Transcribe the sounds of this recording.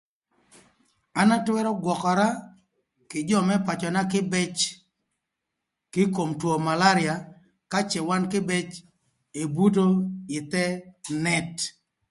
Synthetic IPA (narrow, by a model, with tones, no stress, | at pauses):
a˦na˦twɛ˦ɾɔ˦ɡwɔ˨kɔ˨ɾa˦ | kɪ˨d͡ʒɔ˦mɛ˦pa˨t͡ʃɔ˨na˦kɪ˦bɛ˦t͡ʃ | kɪ˦ko˨mtwo˨ma˨la˦ɾɪa˨ | ka˦t͡ʃɛ˨wa˦nkɪ˦bɛ˦t͡ʃ | e˨bu˦t̬o˦ɪ˨t̪ɛ˦nɛ˦˨t